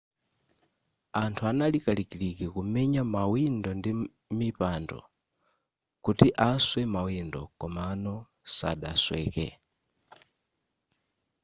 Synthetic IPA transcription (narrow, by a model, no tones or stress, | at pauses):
antʰuanalikalikilikikumɛɲamawindɔndi | mipandɔ̰ | kutiʔaswɛmawindɔ̰kɔmanɔ | sa̰ɗa̰swɛːkɛ̰